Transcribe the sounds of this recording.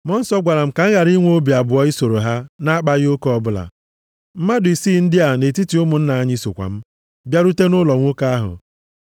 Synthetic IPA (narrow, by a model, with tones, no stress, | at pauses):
mɔ˦n̩˦sɔ˦ɡʷa˨ɾa˨m̩˦ka˨ŋ̩˦ɣa˨ɾi˦ŋʷ˦o˦bi˨a˨bʊ˨ɔ˦ɪ˦so˨ɾo˨ɦa˦na˦a˦k͡pa˦ɣɪ˦o˦kɔ˨bʊ˦la̰˨ | m̩˦ma˦dʊ˨i˨siː˦n̩˦dɪ˦a˨ne˨ti˦ti˨˦ʊ˦mʊ˨n̩˦na˨a˦ɲ˦i˦so̰˨kʷa̰˨m̩˦ | bja˦ɾu˦te˦nʊ˦lɔ˨ŋʷo˦ka˦a˦ɦʊ̰˨